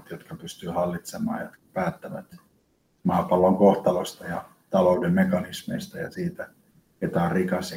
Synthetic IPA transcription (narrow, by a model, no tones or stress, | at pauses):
t̪jot̪kɑpyst̪yːhɑlːit̪semɑ̰ːjot̪kɑpæːt̪ːæʋæ̰t̪ | mɑːpɑlːoŋkoht̪ɑlost̪ɑjɑ̰ | t̪ɑloudemmekɑnismḛist̪ɑjɑ̰siːt̪æ | et̪ɑːrrikɑs